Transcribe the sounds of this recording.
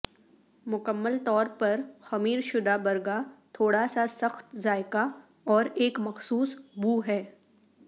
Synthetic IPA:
mʊkəmːəlt̪ɔːɾpɐɾxɐmiːɾʃʊd̪abɐɾɡat̪ʰoːɽasasɐxt̪zaːɪka | ɔːɾeːkmɐxsuːsbuːɦɛː

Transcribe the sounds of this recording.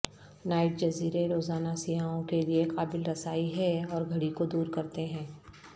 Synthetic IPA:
naːɪʈ̚d͡ʒɐziːɾeɾoːzaːnasɪɦaːõkelieqaːbɪlɾɐsaːiɦɛ̃ɔːɾɡʱɐɽikod̪uːɾkɐɾt̪eɦɛ̃ː

